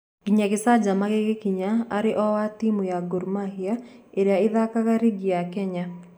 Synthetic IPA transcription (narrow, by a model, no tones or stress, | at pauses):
ɡ̥iɲaɣesad͡ʒamaɣeɣekiɲaaɾeʔɔwatimujaɡoɾmahiaeɾeaeðakaɣaɾiɡiakɛɲa